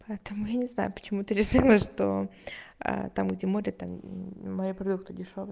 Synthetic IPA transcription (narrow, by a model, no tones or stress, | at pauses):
pɐɛt̪əmʊjanʲɪzna̰jʊpə̥t͡ɕɪmut̪ɨɾʲɪʂɨlˠəʂt̪o̰ | ə̰t̪amɡdʲemoɾʲɪt̪ammɐjipɾɐd̪ukt̪ɨdʲɪʂovə